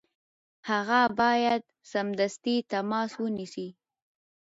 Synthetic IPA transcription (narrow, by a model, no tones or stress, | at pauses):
haɣabɑjad̪̚ | samd̪ast̪it̪amɑswənisi